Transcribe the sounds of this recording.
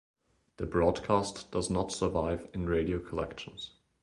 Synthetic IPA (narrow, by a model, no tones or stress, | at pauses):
ðəbɹɔdkʰastd̥ʌznətsə˞vaɪvɪ̃nɹeɪɾioʊkʰəlɛ̰kʃn̩z̥